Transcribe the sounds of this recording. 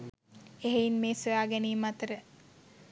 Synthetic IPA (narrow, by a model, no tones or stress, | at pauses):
eɦeinmeːsuaːɡɛniːmɐt̪əɾə